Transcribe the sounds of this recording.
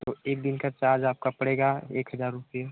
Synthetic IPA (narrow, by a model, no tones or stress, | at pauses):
t̪oeːk̚d̪ɪnkat͡ʃaːd͡ʒaːp̚kapɐɽeːɡaḛːkɦəzaːɾːʊpije